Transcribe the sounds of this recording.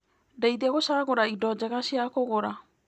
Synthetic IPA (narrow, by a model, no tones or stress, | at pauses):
dajd̪iaɡosaɡɔɾaidɔd͡ʒaɡasiakɔɡɔɾa